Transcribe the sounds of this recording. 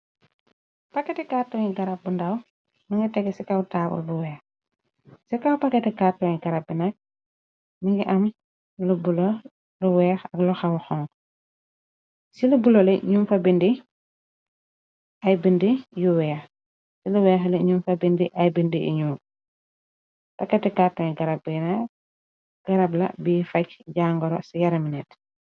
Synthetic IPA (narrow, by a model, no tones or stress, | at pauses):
pakːɛtɛkaːtːɔɲiɡaɾap̚bundaw | niŋɡɐtɛɡɛsikawtaːbṵlbuwɛːx | sikawpakɛtɛkaːtːɔŋɲiɡɐɾap̚binɐk̚ | niŋɡiʔɐm | lubulɔ | luwɛːxɐkluxawxɔŋ | silubulɔlɛɲumfɐbindi | ʔajbindijuwɛːx | siluwɛːxlɛɲumfɐbindiʔajbindiḭɲuː | pɐkːɛtɛkaːtɔŋɛɡɐɾabɛnak̚ | ɡ̥aɾablɐ̰biːfɐcɟaːŋɡɔɾɔsijaɾminɛt